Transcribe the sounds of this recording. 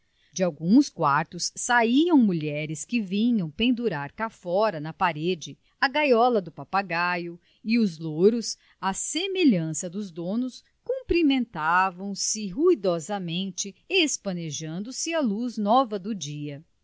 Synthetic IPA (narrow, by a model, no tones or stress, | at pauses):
d͡ʒɪawɡũskwa̰ɾt̪ʊsːaiɐ̃w̃muʎɛɾɪskɪvĩɲɐ̃w̃pẽnd̪uɾaɾkafɔɾɐnɐpaɾed͡ʒɪ | ɐɡajɔlɐd̪ʊpapaɡajʊ | ɪʊzloɾʊs | ɐsemeʎɐ̃sɐd̪ʊzd̪õnʊs | kũpɾimẽnt̪avɐ̃w̃sɪɦujd̪ɔzɐmẽnt͡ʃɪespɐneʒɐ̃nd̪ʊsɪɐluznɔvɐd̪ʊd͡ʒiɐ